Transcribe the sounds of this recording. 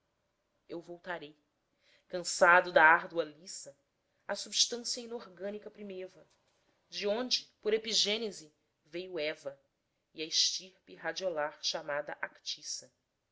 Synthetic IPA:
ewvowt̪aɾej | kɐ̃sad̪ʊd̪ɐaɾd̪uɐlisɐ | ɐsubiʃt̪ɐ̃siɐinoɾɡɐ̃nikɐpɾimevɐ | d͡ʒɪõnd͡ʒɪpoɾepiʒẽnezi | vejʊɛvɐ | iɐɪʃt͡ʃiɾpɪɦad͡ʒiolaɾʃamad̪ɐʔakt͡ʃisɐ

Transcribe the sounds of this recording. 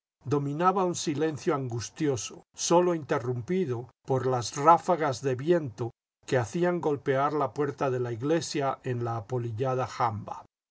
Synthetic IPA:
d̪o̞mĩnaβaunsile̞nθjoaŋɡust̪jo̞soso̞lo̞int̪e̞rumpiðopo̞ɾlazrafaɣazðe̞βje̞nt̪o | ke̞aθiaŋɡo̞lpe̞aɾlapwe̞ɾt̪aðe̞laiɣle̞sjae̞nlaːpo̞liʎað̞axamba̰

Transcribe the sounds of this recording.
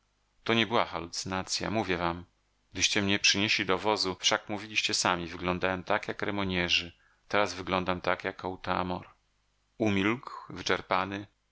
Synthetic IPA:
t̪ɔɲɛbɘwaxalut̪sɨnat̪sʲja̰muvʲjɛvam | ɡ̚d̪ɘɕt͡ɕɛmɲɛpʂɘɲeɕlʲid̪ɔvɔzufʂakmuvʲilʲiɕt͡ɕɛsamʲivɘɡlɔnd̪awɛmt̪akjakɾɛmɔɲɛʐɘ | t̪ɛɾazvɘɡlɔnd̪amt̪akjakɔwt̪a̰mɔɾ | umʲilkwvɘt͡ʂɛɾpanɘ

